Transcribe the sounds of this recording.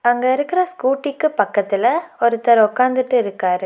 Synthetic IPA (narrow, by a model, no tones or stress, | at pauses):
ɐŋɡɐɪɾɯkːɪɾɐskuːʈːikːɯpɐkːɐt̪ːɪlɐɔɾɯt̪ːɐɾɐʊkːaːnd̪ɯʈːɯɪɾɯkːaːɾɯ